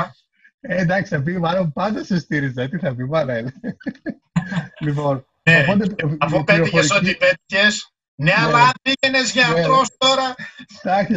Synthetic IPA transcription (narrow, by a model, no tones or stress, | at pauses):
end̪ɐksi̥θɐpimɐlompɐnd̪ɐsest̪iɾizɐt̪iθɐpimɐɾel | lipo̞n | eɐod̪eɐopeiɾoçfoeɾisoipet̪i̥çes | neɐlɐpiʝenezʝɐeɾost̪o̞ɾɐst̪ɐçɐ